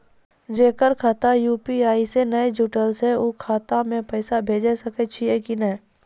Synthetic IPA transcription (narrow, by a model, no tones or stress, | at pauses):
d͡ʒeːkəɾkʰaːt̪ajuːpiaːisenəed͡ʒuːʈəlsɦɛoːkʰaːt̪amẽpɛːsabʱeːd͡ʒesəket͡ʃʰiekinəɦ